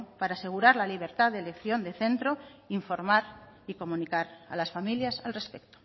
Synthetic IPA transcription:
paɾaːse̞ɣ̞uɾaɾlaliβ̞e̞ɾt̪aðele̞kθjo̞nd̪e̞θe̞nt̪ɾoiɱfo̞ɾmaɾ | iko̞mũnikaɾa̰lasfamiljasalre̞spe̞k̚t̪o̥

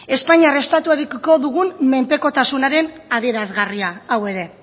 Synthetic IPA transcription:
e̞spaɲiare̞st̪at̪uaɾikko̞ðuɣunmme̞mpe̞ko̞t̪asunaɾe̞naðie̞ɾazɣariaːwe̞ɾe̞

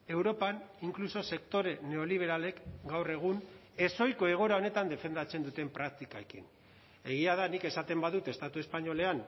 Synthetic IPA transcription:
e̞wɾo̞paniŋkluso̞se̞kt̪o̞ɾe̞ne̞o̞liβ̞e̞ɾale̞kɡawre̞ɣ̞un | e̞so̞jko̞e̞ɣ̞o̞ɾao̞ne̞t̪and̪e̞fe̞nd̪at͡se̞nd̪ut̪e̞mpɾak̚t̪ikaekḭn | e̞ɣ̞iaðanike̞sat̪e̞mbaðut̪e̞st̪at̪ue̞spaɲo̞le̞an

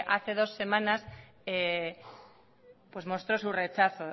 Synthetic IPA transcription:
ʔaθe̞ð̞o̞sːe̞mãnas | e | pwe̞zmo̞st̪ɾo̞sure̞t͡ʃaθo

